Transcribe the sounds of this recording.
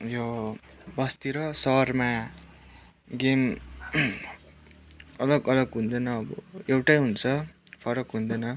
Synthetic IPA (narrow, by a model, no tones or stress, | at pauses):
jo | bʌst̪iɾʌsʌrma | ɡem | ʌlʌɡʌlʌɡɦund̪ʌnʌːbʌ̰ewʈajɦunt͡sʰʌpʰʌɾʌkɦund̪ʌjnʌ